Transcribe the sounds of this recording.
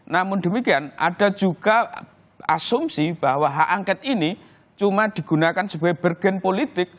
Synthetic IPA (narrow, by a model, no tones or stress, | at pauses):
namʊnd̪̥ə̤mikianʔa̰d̥a̤̥d͡ʒ̥uɡ̥a | asʊmsib̥a̤waɦaʔaŋkɛt̪̚ini | t͡ʃumad̪̥i̤ɡ̥ṳnakansəb̥awɛb̥ərɡ̥ɛ̤npolit̪ɪk̚